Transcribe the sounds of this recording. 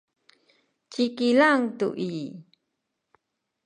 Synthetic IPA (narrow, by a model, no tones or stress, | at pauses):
t͡ɕikilaŋtṵʔi